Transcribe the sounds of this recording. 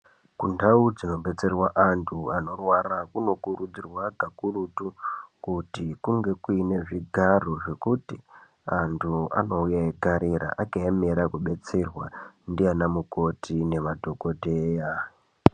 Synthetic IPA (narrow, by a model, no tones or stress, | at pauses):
kundaud͡zino̞ɓe̞t͡se̞rwaʔantʰuano̞rwaɾakuno̞kurud͡zirwaɡʱakurutukutikuŋɡe̞kuine̞ʐiɡʱaroʐe̞kuti | antʰua̰no̞ujaeɡʱaɾiɾa̰ʔakaemeɾakuɓe̞t͡se̞rwandianamuko̞tʰine̞madʱo̞ɡo̞dʱeja